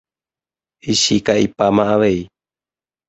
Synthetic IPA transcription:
iɕikaipamaʔaʋej

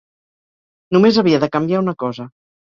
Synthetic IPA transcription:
numezəβ̞iəðəkəmbiaunəkɔzə

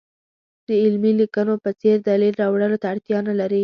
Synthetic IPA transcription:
d̪̥əɪlmilikənopət͡seɾd̪ɑlilɾɑwɽəlot̪aːɽt̪jɑnalaɾi

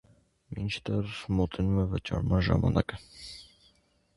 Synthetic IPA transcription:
mint͡ʃʰd̪ɛɾmɔt̪ɛnumɛvət͡ʃɑ̰ɾmɑnʒɑ̰mɑnʔɑkə

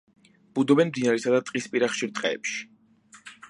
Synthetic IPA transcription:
b̥ud̪ɔbɛnmd̪inaɾɛsad̪at̪ʼqʼispʼiɾaχʃiɾt̪ʼqʼɛɛpʃi̥

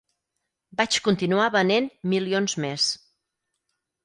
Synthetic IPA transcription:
bat͡ʃkunt̪inuaβənenmilionzmes

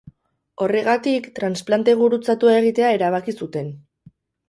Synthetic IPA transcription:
o̞re̞ɣ̞at̪ikt̪ɾansplant̪e̞β̞uɾut͡sat̪uae̞ɣ̞it̪e̞ae̞ɾaβ̞akisut̪e̞n

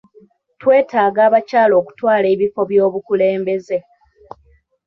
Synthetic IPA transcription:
twe̞ːtaːɡaːβacaːlo̞ːku̥twaːle̞ːβifo̞βjo̞ːβukule̞ːmbe̞ze̞

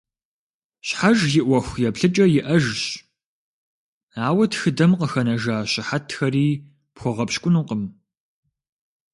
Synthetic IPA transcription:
ɕħaʒjɪʔʷɔxʷjɛpɬɨt͡ʃʼɐjɪʔɐʒɕ | aːwɐtxɨdɐmqəxɐnɐʒaːɕɪħatʰxɐriː | pxʷɔʁɐpɕkʷʼʊnuːqəm

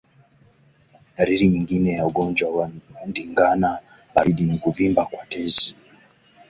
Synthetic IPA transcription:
ɗaɾiɾiɲiŋɡinɛjauɠɔnd͡ʒwawandiŋɡana | baɾiɗinikuvimbakwatɛzi

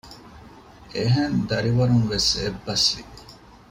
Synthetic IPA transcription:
ʔeɦend̪ɐɾiʋɐɾuŋʋesebːɐsʋḭ

